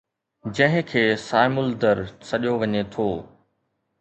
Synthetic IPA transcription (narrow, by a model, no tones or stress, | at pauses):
d͡ʑɐ̃ɦɪ̃kʰeːsaːɪmʊld̪əɾsɐɗijoʋɐɲet̪ʰoː